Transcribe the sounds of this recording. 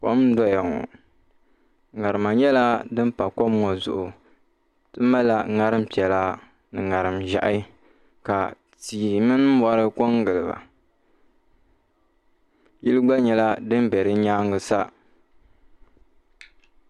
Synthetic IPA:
ko̰˦mdɔ˦ja˨ŋɔ̰˨ | ŋa˨ɾɨ˨ma˨ɲɛ˦la˦dɨ˦m˦pa˨ko˦mːɔ˨zʊ˦ʔʊ˨ | tɨ˦ma˦la˦ŋa˦ɾɨ˦m̩˦pi˨ɛ˨la˦ | nɨ˨ŋa˨ɾɨ˨mʒa̰˨ʔa˦ | ka˨ | tiː˨mɨ˦n˦ba˦ɾɨ˦ko˦ŋɡɨ˨lɨ˨ba̰˨ | ji˦lɨ˦ɡ͡ba˦ɲɛ˨la˦dɨ˦m˦bɛ˨ɾɨ˦ɲaː˦ŋɨ˨sa˦

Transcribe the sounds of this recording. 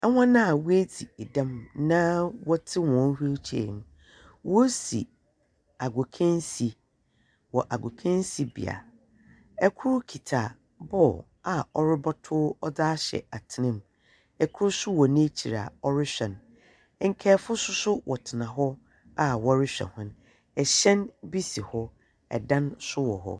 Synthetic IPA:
ɛ˦wʷã˦nã˦a˨we˦d͡zi˨e˨dã˦mnã˦wɔ˦tʰɪ˦wɔ̃˨˦n˦hu˦e˦t͡ɕʰi˨˦ḛ˨ñ˨˦ | wɔ˦sḭ˨ | a˨ɡo˨kʰɛ̃˦n˦si˨ | wɔ˨ʔa˨ɡʷo˨kʰɛ̃˦nsi˨bḭ˨a̰˨ | ɛ˦kʰʊ˦ɾkʰi˨tʰa˨ | bɔ˦˨ | a˨ɔ˦ɾɪ˦bɔ˦tʰʊː˦ɔ˦daː˦ɕɛ̰˨a˨tʰɪ˨nɪ̃˦m | ɛ˨kʰʊ˦ɾʊ˦sʊ˦wɔ˨nĩ˦t͡ɕʰi˨ɾa̰˨ɔ˦ɾɪ˦ɕᶣɛ̃˨n˦ | ŋ̩˨kʰɛː˦fʊ˦sʊ˦sʊ˦wʔɔ˨tʰɪ˨nã˨ɦɔ˦ | a˦wɔ˦ɾɪ˦ɕᶣɛ̰̃˨hʊ̃˦n | ɛ˨ɕɛ̃˦nbi˦si˨hɔ˦ | ɛ̰˨dã˦nsʊ˦wɔ˨ɦɔ̰˦

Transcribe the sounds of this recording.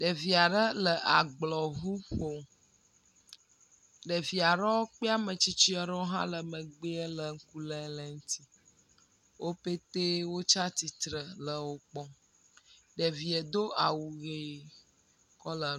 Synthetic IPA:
ɖə˨vi˨a˨ɖə˦lə˨ʔa˨ɡ͡blɔ˨ɦu˦ɸo˨ | ɖə˨vi˨a˨ɖɛ˦wo˦k͡pe˦a˦mə̃˨t͡ʃi˦t͡ʃi˦ə˨ɾɔ˦wo˦ɦã̰˦lə˨mə˨ɡ͡be˦ɛ˦lə˨ŋ̩˦ku˦lɛ˦lə˨ŋ̩˦t̪i˦ | wo˦pe˦t̪e˦wo˦t͡ʃa˦t̪i˨t̪ɾə˨lə˨wo˦k͡pɔ˦ | ɖə˨vi˨ə˨d̪o˦a˨wu˨ɣe˨ | kɔ˦lə˨

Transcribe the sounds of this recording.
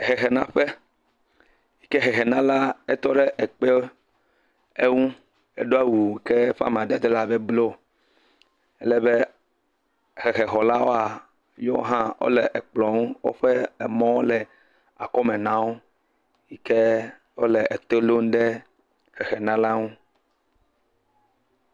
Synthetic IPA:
ɦe˨ɦe˨nã˦ɸe˦ | ji˦ke˦ɦe˨ɦe˨nã˦la˦e˦t̪ɔ˦ɖe˦ʔe˨k͡pe˦o˦ | e˦ŋũ˦ | ḛ˦ɖo˦a˦wu˨ke˦ɸa̰˦m˨ã˨de˨d̪e˦la˦be˦blo˦˨ | ɛ˦lɛ˦be˦ | xe˨xe˨ɦɔ˨la˦wo˦a˨˦ | jɔ˦o̰˦ɦã˦wo̰˦le˨ʔe˨k͡plɔ˨ŋũ˦wo̰˦ɸe˦ɛ˨mɔ̃˦wo˦lɛ˨ | a̰˨kɔ˦mẽ˨nã˦wo˦ | ji˦ke˦ | wo˦le˨ʔe˨t̪o˦lo˦ŋ˦ɖe˦ | xe˨xe˨nã˦la˦ŋũ˦

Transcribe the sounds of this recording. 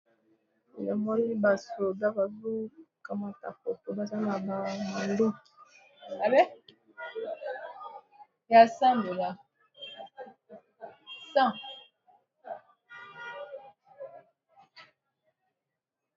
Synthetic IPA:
jɔ˨mɔ˦ni˦ba˨so˨ba˦ba˨zu˦ka˨ma˨ta̰˨po˨po˨ba˦sa˦na˨ba˨ma˨n˦do˦ | a˨bɛ˦ | ja˨sa˦mbo˨la˨ | sã˦˨

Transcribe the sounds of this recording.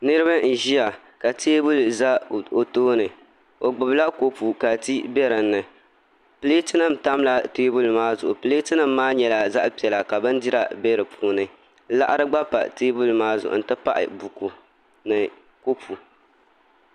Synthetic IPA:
nɨ˦ɾɨ˦βa˦n̩˨ʒi˦ja˨ | ka˨tʰeː˦bu˦lza˦˨o˨toː˦nɨ˨ | o˨ɡ͡bʊ˨bla˦ko˦pu˨ka˨ti˦bɛ˦ɾɨ˨n̩ːɨ˨ | pɨ˨le˦tɨ˦nɨ˦˨m˨ta˦m˦la˦teː˦bu˦lmaː˦zʊ˨ʔʊ˨pɨ˨le˦tɨ˦nɨ˦m̩ːaː˦ɲɛ˨la˨za˦ʔpi˨ɛ˨la˨ka˨bɨ˦n˦di˦ɾa˨bɛ˦ɾɨ˨pʰuː˦nɨ˨˦ | la̰˦ʔa˦ɾɨ˦ɡ͡ba˦pa̰˨teː˦bu˦lmaː˦zʊ˨ʔʊ̰˨n̩˨tɨ˦pa˦ʔɪ̰˨bu˨ku˨ | nɨ˨ | ko˦pʰu˨

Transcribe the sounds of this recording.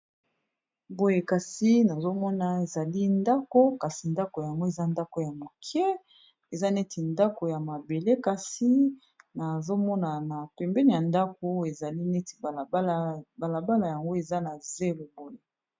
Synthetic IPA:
bo˦je˨ka˨si˦na˨zo˦mɔ˦na˨e˨za˨li˦nda˦ko˦ka˨si˨nda˦ko˨ja˨ŋɡo˦e˨za˦nda˦ko˨ja˨mo˨kʰɛ˦ | e˨za˦nɛ˦tʰi˨nda˦ko˨ja˨ma˨be˨le˦ka˨si˦ | na˨zo˦mɔ˦na˨na˨pɛ˨mbɛ˦ni˨ja˨nda˦k̚o˨e˨za˨li˦ne˦ti̥˨˦ba˨la˨ba˦la˨ja˨ŋɡo˦e˨za˦na˨ze˦lo˨bo˦je˨

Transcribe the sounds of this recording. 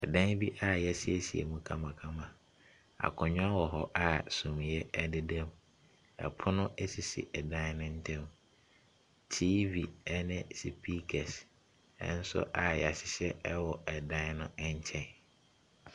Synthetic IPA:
ɛ˨dã˦bi˦ʔa˨jɛ˦sɪ˦ɛ˦si˨ḛ˨mũ˨kʰã˦mã˨kʰã˦mã˨ | a̰˨kʰʊ̃˨ɲᶣʊ̃˦a˦wɔ˨ɦɔ˦ʔa˨sũ˨m˨jɛ˦ɛ˦dɪ˦dɛ̃˦m | ɛ̰˨pʰʊ˦nʊ̃˦ʔe˦si˨sḭ˨ʔɛ˨dã˦n˦nʊ̃˦n̩˦tʰɛ̃˦m˦ | tʰiː˦vi˨ɛ˦nɪ̃˦si˨pʰi˦kʰɛ˨s | ɛ̰˦n̩˦sʊ̰˦ʔa˨jɛ˨a˨ɕɪ˨ɕɛ˦wɔ˨ɛ˨dã˦n˦nʊ̃˦ɛ˦ɲ˦t͡ɕʰɛ̃˦˨n

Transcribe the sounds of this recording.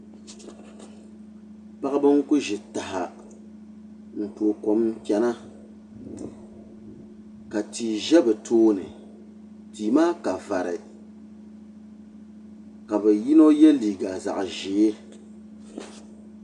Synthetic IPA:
pa˦ɣɨ˦bɨ˦ŋ̩˦kʊ˦ʒɪ˨ta˨ha̰˨ | ŋ̩˨k͡pu˨o˨ko˨m˦kʲɛ˨na˦ | ka˨ti˨ʒɛ˦bɛ˨tʰoː˦nɨ˨ | tiː˨maː˦ka˨va˨ɾɪ˨ | ka˨bɛ˨ji˦no˦jɛ˦liː˨ɡa˨za̰˨ʔʒe˨e˦

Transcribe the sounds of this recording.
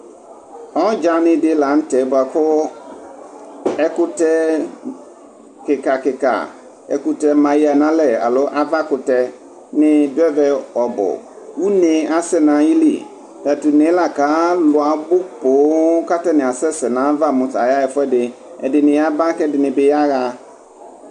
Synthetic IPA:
ɔ˦d͡ʒa˨˦nɪ̃˦dɪ˦la˨˦n̩˦tɛ˨˦bʊ˨a˨kʊ˦ | ɛ˦kʊ˦tɛ˦ | kɪ˨ka˨kɪ˨ka̰˨ | ɛ̰˦kʊ˦tɛ˦mã˨i˦a˨nã˦lɛ˨a̰˨lʊ˦ʔa˦va˦kʊ˨tɛ˦ | nɪ̃˦dɛ˦vɛ˨ɔ˨bʊ̰˨ | wu˦nɪ̃˨a˨sɛ˦nã˨˦ji˦lḭ˨ | ta˨tu˨nɪ̃˨˦la˨ka˨˦lʊ˨a˨bʊ˦k͡po˨˦ka˦tɛ˦nɪ̃˨a˨sɛ˦sɛ˨nã˨˦va˦mʊ̃˨ta˨ja˦jɛ˨fʊ˦ɛ˦dɪ˨ɛ̰˨dɪ˨nɪ̃˨a˦ba˦kɛ˦dɪ˨nɪ̃˨bɪ˨ja˦ɣa˨

